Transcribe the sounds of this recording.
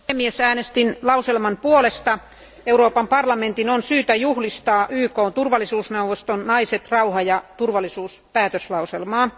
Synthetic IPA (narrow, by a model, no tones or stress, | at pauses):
emːiesæːnest̪inlɑuselmɑnpuolest̪ɑ | euɾoːpɑmpɑrlɑment̪inonsyːt̪æjuhlist̪ɑːʔyːkoːnt̪urʋɑlːˑisuːsneuʋost̪onnɑiset̪rɑuhɑjɑt̪urʋɑlːˑisuːspæːt̪øslɑuselmɑː